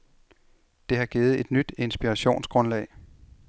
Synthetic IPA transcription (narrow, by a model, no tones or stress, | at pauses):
d̥e̝ɦɑ̈ɡ̥iːð̩ˠe̝d̥nyd̥e̝nsb̥iʁɑɕo̝̰ːnsɡ̥ʁɔ̽nlɛ̰ɪ